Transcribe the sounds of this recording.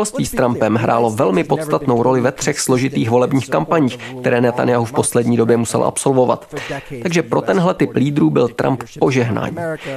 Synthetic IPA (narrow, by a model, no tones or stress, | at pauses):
lst̪viːst̪ɾampɛmɦɾʔa̰ːlo̞vɛlmɪpo̞t̪st̪at̪no̞wɾʔo̞lɪvɛt̪r̝̥ɛxslo̞ʒɪt̪iːxvo̞lɛbɲiːxkampaɲiːxk̚t̪ɛɾɛːnɛt̪a̰njaɦufpo̞slɛdɲiːdo̞bjɛmusɛ̰lʔa̰pso̞lvo̞va̰t̪t̪aɡʒɛpɾo̞t̪ɛnɦlɛt̪ɪpliːd̪ɾuːbɪ̰lt̪ɾʔa̰mppo̞ʒɛɦna̰ːɲiː